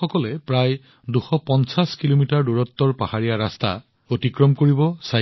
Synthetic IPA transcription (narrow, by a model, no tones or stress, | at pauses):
ɔkɔlɛpɹaj | duxɔpɔnsaskilomitaɹduɹɔtːɔɹpahaɹijaɹasta̰ | otikɹɔmkoɹibɔsa